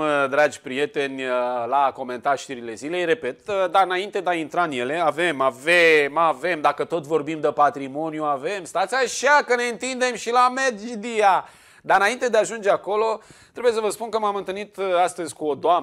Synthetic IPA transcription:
d̪ɾad͡ʒʲpɾije̞t̪e̞nʲlako̞me̞nt̪aʃt̪iɾile̞zile̞jre̞pe̞t̪d̪aɨnaint̪e̞d̪eaint̪ɾaɨnje̞le̞ave̞mavemave̞md̪akət̪o̞t̪̬ʲvo̞rbimd̪əpat̪ɾimo̞njuave̞mst̪at̪sʲaʃakəne̞ɨnt̪ind̪e̞mʃilamed͡ʒid̪ia | d̪aɾɨnaint̪e̞d̪eaʒund͡ʒe̞ako̞lo̞t̪ɾebuje̞səvəspunkəmamɨnt̪ɨlnit̪ast̪əzʲkuod̪oa

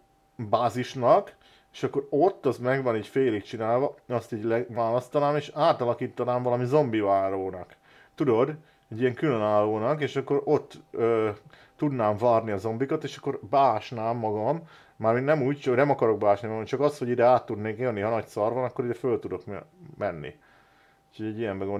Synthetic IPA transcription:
baːziʃnɒk | eːʃɒkːo̞ɾo̞t̪ːɒzmɛɡvɒniːcfeːlikt͡ʃinaːlvɒɒst̪iːɟlɛvaːlɒst̪ɒnaːmeːʃaːt̪ɒlɒkiːt̪ːɒnaːɱvɒlɒmizo̞mbivaːɾoːnɒk | t̪ud̪o̞d̪ | ɛɟːijɛŋkylønaːlːoːnɒkeːʃɒkːo̞ɾo̞t̪ːøː | ud̪naːɱvaːrniɒzo̞mbikɒt̪eːʃɒ̥kːo̞rbaːʃnaːmːɒɡɒmː | aːɾminnɛmuːct͡ʃnɛmɒkɒɾo̞ɡ̚baːʃnimɒɡɒmt͡ʃɒkɒsho̞ɟid̪ɛaːt̪ːud̪neːkjønːiɦɒnɒcsɒrvɒnɒkːo̞ɾid̪ɛfølt̪ud̪o̞kmmɛnːḭ | uːcʰhoɟɛɟːijɛmbɛɡon

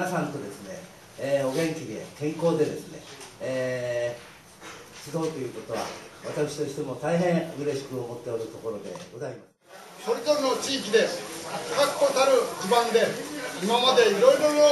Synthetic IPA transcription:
asãnt̪o̞d̪e̞sɨne̞̰ː | o̞ɡẽ̞ŋkʲid̪e̞̰kẽ̞ŋko̞ːd̪e̞d̪e̞sɨne̞̰ː | sid̪o̞ɯt̪o̞jɯ̟ːko̞t̪o̞βa̰βat̪akɯ̟̥ɕi̥t̪o̞ɕi̥t̪e̞mo̞t̪aiɦẽɰɯ̟ɾe̞ɕi̥kɯ̟omo̞t̪ːe̞oɾɯ̟t̪o̞ko̞ɾo̞d̪e̞̰ɡo̞zaimas | so̞ɾezoɾenot͡ɕiːkʲid̪e̞kakːkːot̪aɾɯ̟kibãnd̪e̞imamad̪e̞iɾo̞iɾo̞ɾo

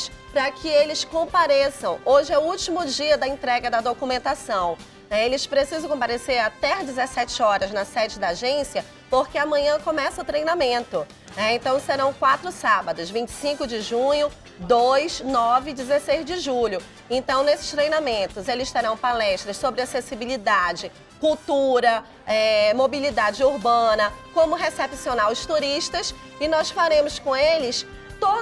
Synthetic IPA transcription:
spɾɐkʰɪelɪskõpaɾesɐ̃w̃oʒɪɛʊuwt͡ʃimʊd͡ʒiɐd̪ɐẽnt̪ɾɛɡɐd̪ɐd̪okumẽnt̪asɐ̃w̃ | nɛelɪspɾesizɐ̃w̃kõpaɾeseɾat̪ɛɐd͡ʒɪzesɛt͡ʃɪɔɾɐznɐsɛd͡ʒɪd̪aːʒẽsiɐ | poɾkɪɐmɐ̃ɲɐ̃kõmɛsɐʊt̪ɾejnamẽnt̪ʊ | nɛẽnt̪ɐ̃w̃seɾɐ̃w̃kwat̪ɾʊsabɐd̪ʊzvĩt͡ʃɪ̥sĩkʊd͡ʒɪʒũɲʊ | d̪ojznɔvɪd͡ʒɪzesejzd͡ʒɪʒuʎʊ | ẽnt̪ɐ̃w̃nesɪ̥st̪ɾejnamẽnt̪ʊzelɪst̪eɾɐ̃w̃palɛʃt̪ɾɐssobɾɪasesibilid̪ad͡ʒɪ | kuwt̪uɾɐ | ɛmobilid̪ad͡ʒɪuɾbɐ̃nɐkõmʊɦesepsionawʊst̪uɾiʃt̪ɐs | ɪnɔsfaɾẽmʊskõelɪs | t̪o

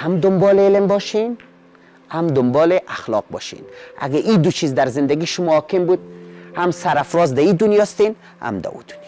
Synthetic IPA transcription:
hamd̪ʊmbɔːleelembɔːʃin | hamd̪ʊmbɔːleʔaxlɔ̰ːq̚bɔ̰ːʃḭna̰ɡaʔid̪ut͡ʃʰiːzd̪aɾzɪnd̪æɡiːʃʊmɔhɔːkembud̪̚hamsaɾafɾɔzd̪æid̪ʊnjɒːst̪en | ha̰md̪a̰ṵd̪u̥nj

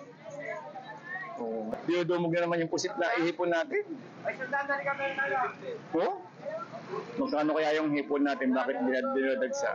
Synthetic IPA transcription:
ʔoːd̪ɪlod̪oːmʊɡ̚nɐnɐmanjʊŋpʊsɪt̪̚nɐʔɪhɛːponːaːt̪ɪn | ɐjsɐnd̪and̪ɐɾɪkɐmɛnɐɡaʔo | mɐɡ̚kaɐnokɐjaːjoŋhɛːponːaːt̪ɪnbaːkɪt̪̚bɪnad̪ɪnad̪ɐɡsa̰

